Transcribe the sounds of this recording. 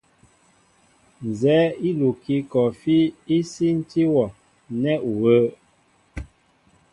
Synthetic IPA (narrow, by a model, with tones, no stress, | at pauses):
n˨zɛː˨˦i˦lu˨ki˦kɔ˨fi˦i˦si˦n̩˦ti˦wɔ˨ | nɛ˦ʔwə˦